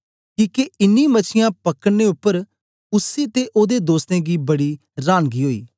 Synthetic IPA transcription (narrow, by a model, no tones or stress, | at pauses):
kiːkeɪnːimət͡ʃʰɪjãpɐkəɽneʊpːəɾ | ʊsit̪eʔoːd̪ed̪oːst̪ẽːɡiːbɐɽiː | ɾaːnɡiːɦoːḭː